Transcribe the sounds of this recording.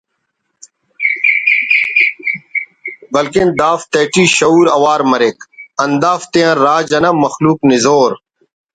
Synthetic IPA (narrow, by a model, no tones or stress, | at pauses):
bɐlkind̪aːft̪eːʈiːɕɐuːɾɐwaːɾmɐɾekɐnd̪aːft̪eɐ̃ɾaːd͡ʑɐnɐmɐxluːknɪzoːɾ